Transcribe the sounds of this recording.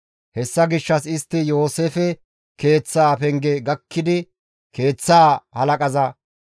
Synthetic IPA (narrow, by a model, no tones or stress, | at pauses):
hɛsːɐɡɪʃːɐsɪst̪ːɪjo̞ːseːfɛ | ke̞ːt͡sːaːpɛŋɡɛɡɐkːɪd̪ɪ | ke̞ːt͡sːaːhɐlɐkʼɐzɐ